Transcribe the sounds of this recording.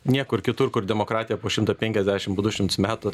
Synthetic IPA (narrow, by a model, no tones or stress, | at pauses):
nʲiɛkʊɪɾkʲɪt̪ʊrkʊɾdʲɛmoːkɾɑːt̪ʲɪjɛpoːʃʲɪmt̪ɐpʲɛŋʲkʲɛzʲd̪ʲæʃʲɪmpoːd̪ʊʃʲɪmt̪ʊsmʲæːt̪ʊ